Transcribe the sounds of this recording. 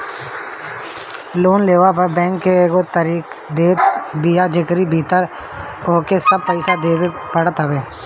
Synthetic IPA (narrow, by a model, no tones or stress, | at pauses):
loːnleːʋapəɾbɛ̃ːŋkːeːɡot̪əɾiːk | d̪eːt̪bijad͡ʒɪkɾibʱiːt̪əɾ | oːkesɐb̚pəɪsad̪eːwepɐɽət̪ɦəʋeː